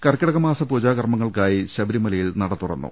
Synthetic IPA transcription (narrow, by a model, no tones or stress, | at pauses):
kɐrkʲːɐɽɐɣɐmaːsɐpoːd͡ʑaːɣɐrmɐŋːɐɭkaːjiɕɐbɐɾimɐlɐjilnɐɽɐt̪ːurɐ̰nːṵ